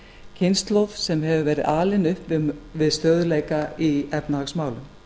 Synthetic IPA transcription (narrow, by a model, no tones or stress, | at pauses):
cʰɪnst̪lɔvsɛmɦɛvʏvɛːɾɪðaːlɪnʏhpvɪvɪðst̪œːðʏlejkaiɛpnaaksmaːwlʏm